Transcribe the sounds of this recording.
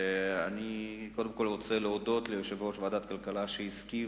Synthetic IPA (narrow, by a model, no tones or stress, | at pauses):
aniko̞d̪e̞mko̞lʁo̞t͡seleodo̞tlejoʃevo̞tvead̪at̪kalkalaʃeiski